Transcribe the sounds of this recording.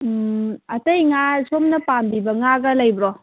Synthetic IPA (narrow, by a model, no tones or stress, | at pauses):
ɐtɐjŋasomnɐpambibɐŋaɡɐlɐjbɾo